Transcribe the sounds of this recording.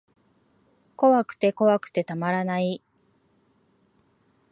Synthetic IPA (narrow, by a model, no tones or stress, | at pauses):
ko̞βakɯ̟̥t̪e̞ko̞βakɯ̟̥t̪e̞t̪amaɾanai